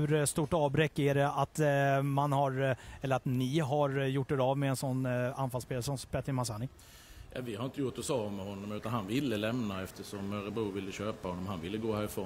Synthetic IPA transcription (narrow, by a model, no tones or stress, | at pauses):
ɵɾst̪uːʈɑːbɾɛkːɛɖɛat̪manhaɾɛlːəɾat̪nɪɦaɾjʊʈːɛɾavmɛːnsɔnːanfalspeːlsɔmspɛt̪ːəmasaːnɪk | jɑ̰vɪhaɾɪnt̪əjʊʈːɔsɑːmɛhɔnːɔmʉ̟ːt̪anhanvɪlːəlɛmnaɛft̪ʰəʂɔmœɾəbɾuːvɪlːəɕøːpahɔnːɔmhanvɪlːəɡoːhæːɾɪfɾoː